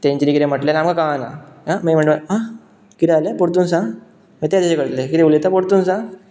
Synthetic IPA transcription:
t̪ẽɲt͡ɕinikiɾeməʈlelamkakana̰amim̤əɳɖa | kiɾealepoɽt̪̬unsã | mət̪ead͡zaɕekəɾt̪lekit̪eulet̪apoɽt̪unsã

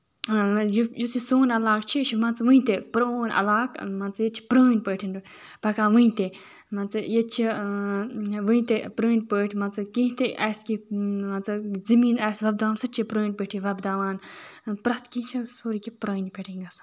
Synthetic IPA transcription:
jjusisoːnɐlaːkt͡ʃʰit͡ʃʰimɐnt͡sʋə̃ĩt̪epɾoːnʔɐ̰laːkmɐnt͡sjet͡ʃʰi̥pɾəːnpəːʈʰin | pɐkaːʋɨ̃ĩt̪e | mɐnt͡sɨjet͡ʃʰi | ʋɨ̃ĩt̪epɾəːnpəːʈʰmɐnt͡sɨkĩɦĩt̪eʔɐːskimɐnt͡sɨzɨmiːnɛːsʋɐb̚d̪aːʋaːnsɐt͡ʃʰipɾəːnʲpəʈʰiʋɐbd̪aːʋaːnpɾɐt̪ʰkĩːt͡ʃʰɐsoɾikipɾəːnpʲeʈʰiŋɡɐsḁ

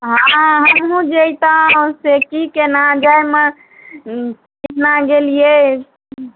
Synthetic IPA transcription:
ɦãɦəmɦũd͡ʒejt̪asekikenad͡ʒajmə̃ | kiʈʰnaɡelije

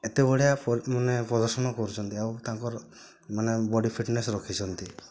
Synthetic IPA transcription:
et̪ebɔɽijapmanepɾɔd̪ɔɾsɔnɔkɔɾut͡ʃʰɔnt̪iawt̪ãŋkɔɾ | manebɔɽipʰiʈnesɾɔkʰit͡ʃʰɔnt̪i

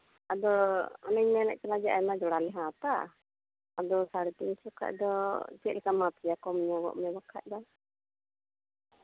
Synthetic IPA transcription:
ad̪ɔɔnəɲmɛlɛʔ̚kalad͡ʒɛʔajmad͡ʒɔɽalɛɦãt̪a | ad̪ɔsaɽɛt̪int͡ʃɔkʰa̰ʔ̚d̪ɔt͡ʃɛt̪̚lɛkamat̪ijakɔmiɲaɡɔ̰ʔmɛbakʰa̰ʔ̚d̪ɔ

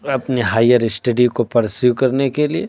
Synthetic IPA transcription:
ɐpniɦaːjəɾɪsʈɐɖikopɐɾsjukɐɾnekelie

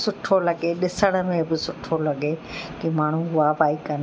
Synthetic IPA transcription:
sʊʈʰolɐɡeɗɪsəɽ̃ə̆mẽbɪsʊʈʰolɐɡekimaːɳ̤ũɦʊabaːikɐn

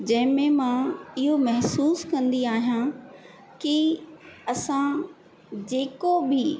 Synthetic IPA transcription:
d͡ʑɐ̃ɦɪ̃mẽmãɪɦomɐɦsuːskɐ̃nd̪iaːɦijã | kɪ | ɐsã | d͡ʑeːkobɪ

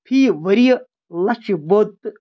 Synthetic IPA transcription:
pʰiːʋɐɾij | lɐt͡ʃiboːt̪

